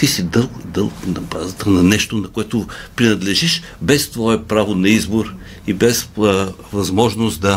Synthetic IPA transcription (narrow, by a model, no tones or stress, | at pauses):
isid̪ɤlˠd̪əlˠknɐbazt̪ɐnɐnɛʃt̪onɐkoɛt̪opɾinɐd̪lɛʒiʃ | bɛst̪vɔɛpɾavonɐizboɾ | ibɛs | vɐzmɔʒnost̪d̪ɐ